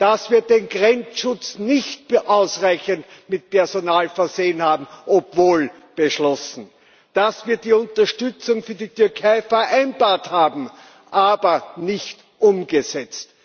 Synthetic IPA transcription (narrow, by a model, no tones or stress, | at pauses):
d̥asv̥iːɐdeːnɡʁɛnt͡sʃʊt͡snɪçt̚ʔaʊsʁaɪçəntmɪt̚pɛɐzonaːlfɛɐzeːənhaːbm̩ʔopvoːl | b̥əʃlɔsn̩ | d̥asviːɐdiːʊntɐʃtʏt͡sʊŋfyːɐdityɐkʰaɪfɛɐʔæɪnbaːɐthaːbm̩ | ʔaːbɐnɪçt | ʔʊmɡəzɛt͡st